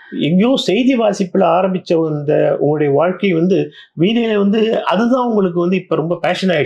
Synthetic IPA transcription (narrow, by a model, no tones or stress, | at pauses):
ɛŋɡɐjõːsɛjðiʋaːsɪpːɪlaːɾɐmbɪt͡ʃːɐɐnd̪ɐʊ̰ŋɡɐɭʊɽɐjɐʋaːɻkɐɪʋɐnd̪ɯ | ʋiːnelʋɐnd̪ɯɐ̰ðɯt̪ãːʊŋɡɐɭɯk̬ːɯʋɐnd̪ɯɪpːoːɾɔmbɐpaːʂɐnaːɪ